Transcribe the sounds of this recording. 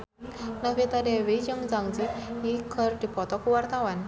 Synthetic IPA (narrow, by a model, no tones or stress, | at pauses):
nafet̪adeʋed͡ʑəŋd͡zaŋd͡ziɦikʰːəɾʈ̪ipɔt̪ɔkuʋaɾt̪aʋan